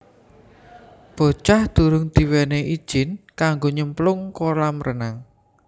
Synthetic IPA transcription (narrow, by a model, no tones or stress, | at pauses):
b̥o̤t͡ʃahd̪̥ṳɾʊŋd̪̥i̤wɛneʔid̥ʒ̥ɪ̤nkaŋɡoɲəmplʊŋkolamrənaŋ